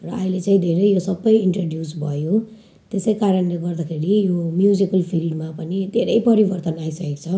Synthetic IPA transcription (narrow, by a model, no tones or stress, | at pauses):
rʌːĩlet͡saĩd̪ʱeɾʌjjosʌbːʌjiɳʈroɖjusbʱʌjo | t̪esʌjkaɾʌnleɡʌrd̪akʰeɾijomjud͡zikʌlpʰilɖmapʌnid̪ʱeɾʌjpʌɾibʌrt̪ʌnajsʌkek̚t͡sʰʌ